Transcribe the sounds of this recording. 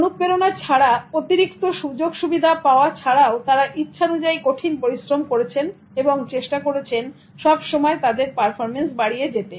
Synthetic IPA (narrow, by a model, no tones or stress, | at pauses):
onuk̚peɾonaɾt͡ɕʰaɽaot̪iɾikt̪oʃud͡ʑoɡʃubid̪ʱapaoat͡ɕʰaɽaot̪aɾaʔitːɕʰaonud͡ʑaikoʈʰinpoɾisɾomkoɾet͡ɕʰen | eboŋt͡ɕeʃʈakoɾet͡ɕʰen | ʃɔbʃɔmɔet̪ad̪eɾpaɾfʰoɾmensbaɽijed͡ʑet̪e